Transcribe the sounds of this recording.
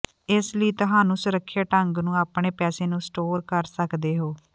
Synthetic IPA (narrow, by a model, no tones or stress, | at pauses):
ɪsləiːt̪ʊɦaːnũːsʊɾəkʰːjaːʈəŋɡnũːaːpɳeːpɛːseːnũːsʈoːɾkəɾsəkd̪eːɦoː